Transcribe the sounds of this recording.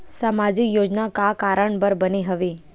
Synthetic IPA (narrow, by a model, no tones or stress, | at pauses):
samad͡ʒikjod͡ʒnakakaɾəɳbəɾbəneɦəʋe